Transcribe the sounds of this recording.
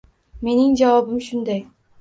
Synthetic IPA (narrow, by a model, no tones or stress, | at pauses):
me̞nɪŋd͡ʒavɒbɪmʃʊnd̪aj